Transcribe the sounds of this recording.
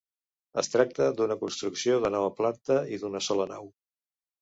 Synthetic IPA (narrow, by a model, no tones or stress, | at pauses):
əst̪ɾak̚t̪əd̪unəkunst̪ɾuksioðənɔβəplant̪əiðunəsɔləna̰w